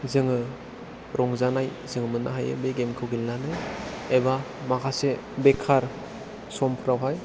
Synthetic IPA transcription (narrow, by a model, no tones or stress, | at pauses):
zɯŋɯ | ɾɔŋzanaj | zɯŋmɯnːa̰ɦajɯ̰beɡemkʰɯwɡilnanajeba | makʰasebekʰaɾ | sɔmpʰɯɾawɦaj